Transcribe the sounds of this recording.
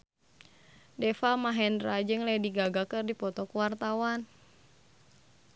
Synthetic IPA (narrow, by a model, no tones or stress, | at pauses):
dɛfamaɦɛndɾad͡ʒɨŋlɛhdiɡaɡakɨrdipɔt̪ɔkəwart̪awan